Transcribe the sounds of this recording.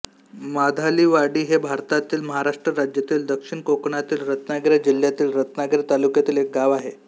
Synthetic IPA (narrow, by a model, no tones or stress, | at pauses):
mad̪ʱaliːʋaɽiːɦebʱaɾt̪at̪iːlməɦaɾaʂʈɾəɾad͡ʑjat̪iːld̪əkʂiɳkokɳat̪iːlɾət̪naɡɾjad͡ʑil̤ːjat̪iːlɾət̪naɡɾat̪alukjat̪iːlek̚ɡaʋaɦe